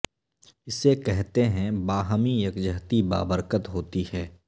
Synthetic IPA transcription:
ɪsːekɛɦt̪eɦɛ̃baːɦəmijɐkd͡ʒəɦt̪iba̰ːbəɾkət̪ɦoːt̪ihɛː

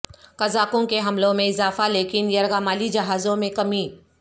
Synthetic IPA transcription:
kɐzaːkõkeɦɐmlõmẽɪzaːfaleːkɪnjɐɾɣaːmaːlid͡ʒɐɦaːzõmẽkɐmi

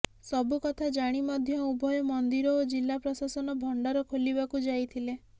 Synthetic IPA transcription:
sɔbukɔt̪ʰad͡ʒaɽ̃imɔd̪ʱjɔubʱɔjɔmɔnd̪iɾɔod͡ʒilːapɾɔsasɔnɔbʱɔɳɖaɾɔkʰoliβakud͡ʒajt̪ʰile

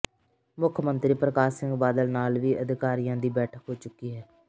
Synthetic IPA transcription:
mʊkʰmənt̪ɾiːpɾəkaːʃɪ̃ŋɡbaːd̪əlnaːlʋiːʔəd̪ɪkaːɾijãːd̪iːbɛːʈʰəkɦoːt͡ʃʊkːiːɦɛː

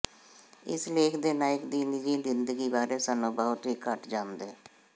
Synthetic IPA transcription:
ɪ̰sleːkʰd̪eːnaːɪkd̪iːnɪd͡ʒiːzɪnd̪əɡiːbaːɾeːsaːnũːbəːʊt̪ɦiːkəʈd͡ʒãːnd̪eː

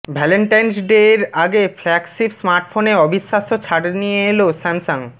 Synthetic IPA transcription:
bʱɛleɳʈajnsɖeɾaɡeflɛksibsmaɾʈfoneɔbiʃːaʃot͡ɕʰaɽnijeelosɛmsaŋ

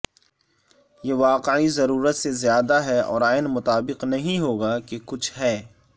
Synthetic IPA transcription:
jeʋaːqeʕizɐɾuːɾət̪sezjaːd̪aɦɛɔ̰ːɾaːɪnmʊt̪aːbɪqnɐɦĩɦoːɡakekʊt͡ʃʰɦɛː

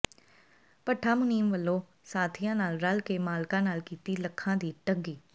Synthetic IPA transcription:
pəʈʰːaːmʊniːmʋəlːõː | saːt̪ʰɪjãːnaːlɾəlkemaːlkãːnaːlkiːt̪iːləkʰːãːd̪iːʈəŋɡiː

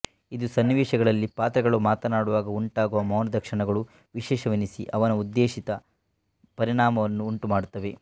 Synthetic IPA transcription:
id̪usɐnːiʋɛːʂɐɡɐɭɐlːipaːt̪ɾɐɡɐɭumaːt̪ɐnaːɽuʋaːɡɐuɳʈaːɡuʋɐmɐwnɐd̪ɐkʂiɳɐɡɐɭu | ʋiʃɛːʃɐʋinisḭʔɐʋɐnɐud̪ːeːʂit̪ɐ | pɐɾiɳaːmɐʋɐnːuːɳʈumaːɽut̪ːɐʋe̞

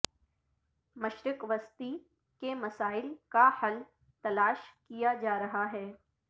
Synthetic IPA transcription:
mɐʃɾɪkʋɐst̪i | kemɐsaːɪlkahɐl | t̪ɐlaːʃkijad͡ʒaːɾɐɦaɦɛː

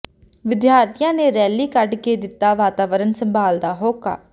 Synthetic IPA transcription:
ʋɪd̪jaːɾt̪ijãːneːɾɛːliːkəɖkeːd̪ɪt̪ːaːʋaːt̪aːʋəɾənsəmbʱaːld̪aːɦoːka̰ː

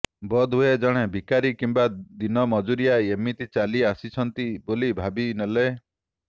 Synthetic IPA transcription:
bɔd̪ʱɦued͡ʒɔɽ̃ebʱikaɾikimbad̪inɔmɔd͡ʒuɾijaemit̪it͡ʃaliasit͡ʃʰɔnt̪ibolibʱabinɔle

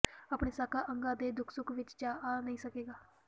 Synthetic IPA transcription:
apɳesakaʔəŋɡad̪ed̪ʊkʰsukʰʋit͡ʃt͡ʃaanaisəkeɡaː

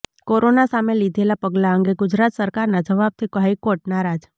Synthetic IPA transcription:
koɾonasamelid̪ʱelapəɡlaəŋɡeɡʊd͡ʒɾat̪səɾkaɾnad͡ʒəʋab̚t̪ʰikoɦajkoʈ̚naɾad͡ʒ

